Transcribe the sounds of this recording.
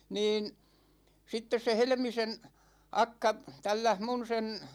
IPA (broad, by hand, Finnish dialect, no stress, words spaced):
niːn sitːes se helĕmisen̞ ɑkːɑ tælːæh mun sen